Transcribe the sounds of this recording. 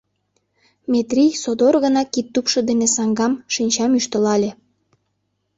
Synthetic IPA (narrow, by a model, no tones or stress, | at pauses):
met̪rʲijsod̪orɣə̆nɑkit̪ːupʃɤ̆d̪enesɑŋɡɑmʃinʲt͡ɕɑmyʃt̪ə̆lɑlʲe